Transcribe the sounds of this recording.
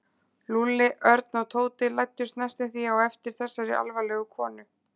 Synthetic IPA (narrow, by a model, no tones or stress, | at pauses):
lulɪʔœɾt̪nawt̪ʰoːwt̪ɪlajt̪ːʏst̪nɛjst̪ɪθiawɛft̪ɪɾ̥θɛsːaɾɪʔa̰lvalɛɣʏkʰɔːnʏ